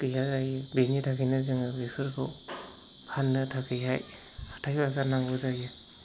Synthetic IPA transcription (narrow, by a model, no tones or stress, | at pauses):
kɯjɦazajɯbenitʰakʰɯjnɯzɯŋɯbepʰɯɾkʰɯw | pʰanːɯtʰakʰɯjɦaj | ḁtʰajbazaɾnaŋɡozajɯ